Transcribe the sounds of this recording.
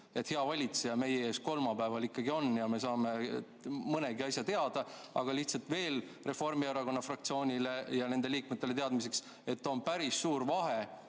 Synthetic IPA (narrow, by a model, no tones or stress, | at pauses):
e̞t̪heɑvɑlʲit̪sejɑme̞jeeːsko̞lmɑpæevɑlikːɑɡ̥io̞njɑme̞s̬ɑːme̞ | mɤne̞ɡiɑsʲɑt̪e̞ɑd̪̥ɑ | ɑ̰ɡ̥ɑliht̪sɑlt̪ˑve̞ːl | re̞fo̞rmieɾɑko̞nːɑfrɑk̚t̪sio̞ːnʲile̞jɑne̞nd̪e̞liːkmet̪ːele̞t̪e̞ɑd̪mis̬e̞ks | e̞t̪ːo̞npæɾisːuːɾvɑɦe̞